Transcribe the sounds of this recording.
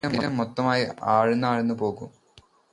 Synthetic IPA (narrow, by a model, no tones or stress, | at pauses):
ɐmolɐmːot̪ːɐmaːjiaːɻunːaːɻunːupo̞ːɣum